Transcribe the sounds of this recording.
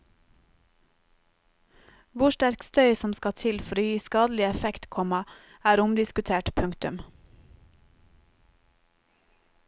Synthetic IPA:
ʋʊʃʈæɾkst̪œʏsɔmskɑt̪ʰɪlfɔɾoːjiːskɑːd̪l̩ɪɛfɛkt̪kʰɔmɑ | æːɾʊmd̪ɪskʉt̪ʰeːʈpʰʉŋt̪ʉm

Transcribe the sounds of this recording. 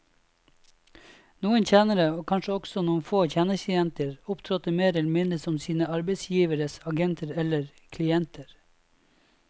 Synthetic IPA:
nuːənc͡çʰjæːnəɾəoːkʰɑnʃəɔɡsɔnuːənfoːc͡çæːnək̪ɪɛnt̪əɾʊpt̪ʰɾɔt̪əmeːɾɛlmɪnləsɔmsiːnəɑɾbeɪsjiːʋəɾəsɑɡɛnt̪ʰəɾɛləɾ | kʰlɪɛnt̪ʰəɾ

